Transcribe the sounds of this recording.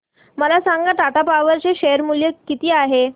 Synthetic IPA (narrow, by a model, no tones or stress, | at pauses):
məlasaŋɡat̪at̪apaʋəɾt͡ɕeɕejəɾmuljəkit̪iːaɦe